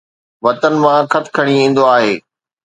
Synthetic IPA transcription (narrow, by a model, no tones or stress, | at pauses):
ʋɐt̪ənɪ̆mãkʰɐt̪ʰkʰɐɽ̃iĩːn̆d̪oaːɦeː